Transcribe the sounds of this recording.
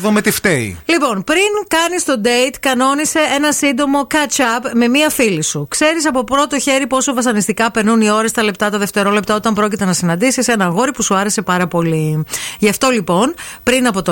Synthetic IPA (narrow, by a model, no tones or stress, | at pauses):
ðumet̪ift̪eḭlipo̞npɾinkɐnist̪o̞d̪e̞it̪kɐno̞nise̞e̞nɐsind̪o̞mo̞kɐt͡ʃɐpme̞miɐfilisukse̞ɾisɐpo̞pɾo̞t̪o̞çe̞ɾipo̞sovɐsɐnist̪ikɐpe̞ɾnunio̞ɾɐst̪ɐle̞pt̪ɐt̪ɐðe̞ft̪e̞ɾo̞le̞pt̪ɐo̞t̪ɐmpɾo̞cit̪e̞nɐsinɐnd̪isise̞nɐɣo̞ɾipusuɐɾe̞se̞pɐɾɐpo̞liʝɐft̪o̞lipo̞npɾinɐpo̞t̪o